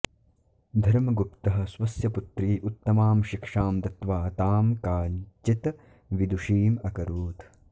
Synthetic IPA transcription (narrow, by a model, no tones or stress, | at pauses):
d̪ʱɐɾmɐɡupt̪ɐɦɐ̆swɐsjɐput̪ɾiːʔut̪ːɐmaːmʃikʂaːmt̪ɐt̪ʋaːt̪aːmkaːnt͡ʃit̪ | ʋid̪uʃiːmɐkɐɾuːt̪